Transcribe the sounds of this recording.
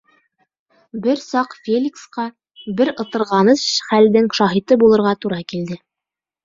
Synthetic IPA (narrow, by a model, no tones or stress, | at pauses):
bɘɾsɑqfʲelʲiksqɑ | bɘɾɤ̆t̪ɤ̆ɾʁɑnɤʃχæld̪ɘŋʃɑɦit̪ɤbulˠɤ̆ɾʁɑt̪uɾɑkild̪ɘ